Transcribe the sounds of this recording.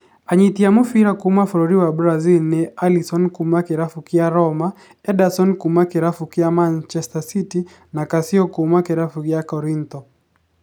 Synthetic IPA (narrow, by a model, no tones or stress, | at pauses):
aɲit̪jamofiɾakʊmafɔɾoɾiwabɾazilnɛalisɔnkumakɪɾafukɪjaɾɔma | ɛdasɔnkumakɪɾafukɪjamant͡ʃɛstasiti | nakasɪɔkʊmakɛɾafuɡɪjakɔɾint̪ɔ